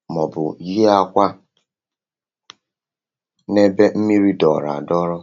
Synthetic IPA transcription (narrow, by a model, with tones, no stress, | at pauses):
mɔ˨bʊ˨ɣi˦a˦kʷa˦ | ne˦be˦m̩˦mi˦ɾi˦dɔ˨ɾa̰˨dɔ˦ɾɔ˦